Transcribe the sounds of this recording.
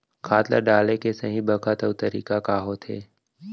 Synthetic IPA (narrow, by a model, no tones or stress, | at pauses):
kʰaːt̪lə̰ɖaːlekesəɦĩbəkʰət̪əʊt̪əɾḭːkakaːɦot̪ʰḛː